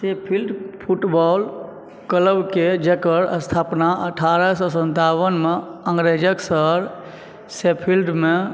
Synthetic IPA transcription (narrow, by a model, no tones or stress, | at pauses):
sepʰilɖpʰuʈbɔl | kələbked͡ʒekəɾəst̪ʰapnaʔəʈʰaɾəsɔsənt̪awənmeəŋɡɾed͡ʒəksəɾ | sepʰilɖme